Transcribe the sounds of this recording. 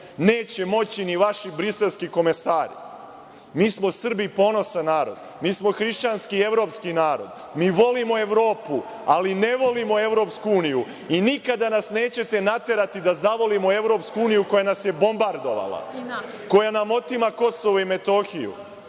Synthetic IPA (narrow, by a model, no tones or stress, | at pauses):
ne̞ːt͡ɕe̞mo̞t͡ɕiniʋaʃibɾise̞lˠskiko̞mesaːɾi | miːsmo̞sr̩bipo̞ːno̞sanaːɾo̞̰d̪ | miːsmo̞xɾiʃt͡ɕanskie̞ʋɾo̞ːpskinaːɾo̞d̪ | miːʋo̞limo̞e̞ʋɾo̞ːpu | aline̞ʋo̞limo̞e̞ʋɾo̞ːpskuuːniju | inikad̪anasne̞ːt͡ɕe̞t̪e̞nat̪e̞ɾat̪id̪azaʋo̞limo̞e̞ʋɾo̞ːpskuuːnijuko̞janasje̞bo̞mbaɾd̪o̞ʋa̰lˠa̰ | ko̞janamo̞t̪imako̞so̞ʋoime̞t̪o̞xijṵ